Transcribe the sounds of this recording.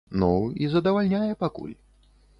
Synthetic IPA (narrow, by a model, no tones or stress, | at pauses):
nuizɐd̪ɐvalʲnʲajɛpakṵlʲ